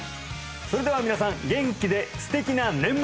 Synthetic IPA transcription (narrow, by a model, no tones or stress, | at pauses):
so̞ɾe̞d̪e̞amʲinasãŋɡẽ̞ŋkʲid̪e̞sɨ̥t̪e̞kʲinanẽ̞mb